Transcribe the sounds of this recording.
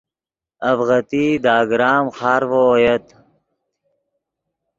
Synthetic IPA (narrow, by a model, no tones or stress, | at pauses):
ɐbɣɐt̪iːd̪aːɡɾaːmxaːɾʋojɐt̪